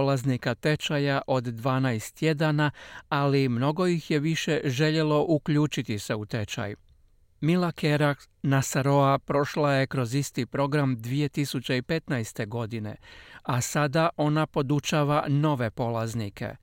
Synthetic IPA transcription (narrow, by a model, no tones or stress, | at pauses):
olaznikat̪e̞t͡ʃajaʔo̞d̪ːʋaːnajst̪je̞d̪anaalimno̞ɡo̞jixje̞ʋiʃe̞ʒe̞ʎe̞lo̞ʔukʎuːt͡ʃit̪ise̞ut̪e̞t͡ʃa̰j | milakʰeɾak | nasaɾo̞apɾo̞ʃlaje̞kɾo̞zist̪ipɾo̞ɡɾamd̪ʋije̞t̪isut͡ɕe̞ipe̞t̪najst̪e̞ɡo̞d̪ine̞̰asad̪aʔo̞napo̞d̪ut͡ʃaːʋano̞ʋe̞po̞lˠaznikʰe̞̰